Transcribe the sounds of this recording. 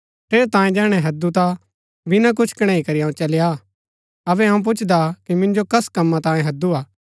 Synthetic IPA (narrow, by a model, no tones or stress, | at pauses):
t̪eːɾt̪ãːjẽd͡ʒɛːɽ̃ɛɦɐd̪ut̪a | bɪnãk̬ʊt͡ʃʰkɐɽ̃ɛ̃ːikɐɾijaːũt͡ʃɐlja | ɐbɛãũp̬ʊt͡ʃʰd̪akimɪ̃nd͡ʒokɐskɐmːãt̪ãːjẽɦɐd̪ːuaː